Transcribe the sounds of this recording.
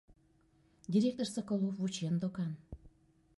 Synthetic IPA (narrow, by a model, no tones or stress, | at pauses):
d̪ʲiɾʲek̚t̪orsəkolˠofvut͡ɕend̪okɑn